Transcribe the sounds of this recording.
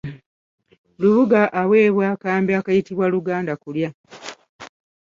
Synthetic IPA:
luβuɡaʔawe̞ːβwakaːmbiakajitiβwaluɡaːndakulja

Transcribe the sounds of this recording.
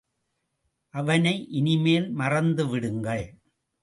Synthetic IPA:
ʔɐʋɐnɐɪʔɪnɪmeːlmɐrɐnd̪ɯʋɪɽɯŋɡɐɭ

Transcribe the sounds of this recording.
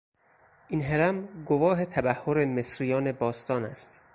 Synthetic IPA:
ʔinɦeɾæmɡovɒːɦet̪ʰæbæhːoɾemesɾijɒːne̞bɒːst̪ɒːnæst̪

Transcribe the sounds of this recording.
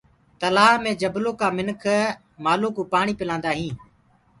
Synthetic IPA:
t̪əlaːɦmẽːd͡ʒəbloːkaːmɪnkʰ | maːluːkuːpaːɳ̃iːpɪlãːnd̪aːɦĩː

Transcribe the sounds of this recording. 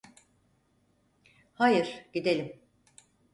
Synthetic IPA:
hajɯɾ̥ɟ̥id̪elʲim

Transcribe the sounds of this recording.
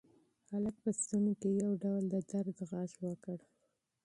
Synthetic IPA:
halək̚pəst̪unokejawɖawld̪əd̪aɾd̪ɣɑʃwəkəɽ

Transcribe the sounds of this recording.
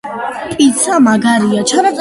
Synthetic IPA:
pʼit̪sʰamaɡaɾiat͡ʃʰanat̪sʼ

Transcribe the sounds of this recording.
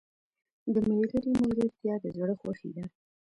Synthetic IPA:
d̪əmililəɾimʊzɾit̪jɑd̪əzɽəxwaxḭd̪a

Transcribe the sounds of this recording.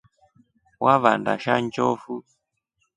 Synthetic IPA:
wʔaβandaʃant͡ʃɔfu

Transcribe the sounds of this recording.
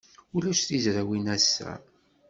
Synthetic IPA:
ulæʃθizɾæwinæsːæ̰

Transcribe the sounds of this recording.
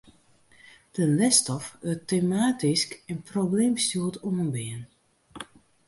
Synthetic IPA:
d̥ənlɛstɔfətemaːtiskɛnprobleːmstuəlˠtomənbɪən

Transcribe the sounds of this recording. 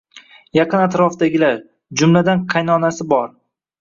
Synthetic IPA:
jɑqʰɨnat̪ɾɒfd̪aɡʲɪlaɾ | d͡ʒʊmlad̪anqʰɑjnɒnasɪbɒɾ

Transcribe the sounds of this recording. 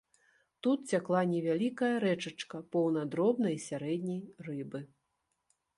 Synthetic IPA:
t̪ut̪̚t͡sʲaklˠanʲɛvʲalʲikɐjɐɾɛt͡ʂɐt͡ʂkɐpɔwnɐd̪ɾɔbn̪ɐjsʲaɾɛd̪ʲnʲɐjrɨbɨ

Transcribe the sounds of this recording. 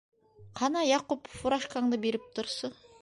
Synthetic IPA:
qʰɑnɑjɑqupfuɾɑʃqɑɴd̪əbeɾɪp̚t̪ʰʊɾsə

